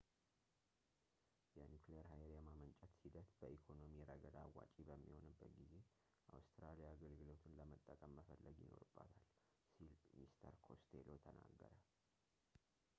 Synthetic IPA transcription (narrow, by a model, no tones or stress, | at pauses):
jɛnuklejəɾɦajɾjamamənt͡ʃʼɛt̪sid̪ət̪bəʔikʰo̞no̞mijɛɾəɡəd̪awa̰t͡ʃʼibəmːiho̞nɨbət̪ɡize̞ | ʔawst̪ʰɾalijaːɡəlɡɨlo̞t̪ʰɨnləmət̪ʼːəkʼəmːəfəlːəɡjɪno̞̰ɾɨbːat̪ʰal | silmist̪ʰəɾkʰo̞st̪ʰelot̪ʰəna̰ɡːəɾə